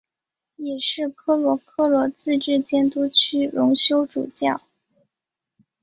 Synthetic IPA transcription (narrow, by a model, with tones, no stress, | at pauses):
jɛ˨˩ʂɻ̩˥˩kʰɤ˥lwɔ˧˥kʰɤ˥lwɔ˧˥t͡sɹ̩˥˧ʈ͡ʂɻ̩˥˩t͡ɕjɛ˥nt̪u˥t͡ɕʰy˥ɻʊ˧˥ŋɕjo˥ʊʈ͡ʂṵ˨˩t͡ɕjɑ˥˩ʊ